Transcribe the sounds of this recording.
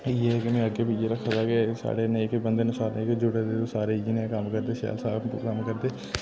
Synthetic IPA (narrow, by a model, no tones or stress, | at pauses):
jeːkemẽəɡeːpiːd͡ʒeɾəkʰːad̪aːkesa̰ːɽeːnẽkbənd̪enʊsaːɾnẽːkd͡ʒʊɽed̪et̪osaːɾed͡ʒinẽkəmkəɾd̪eːʃɛ̰ːlsaːbkəmkəɾd̪eː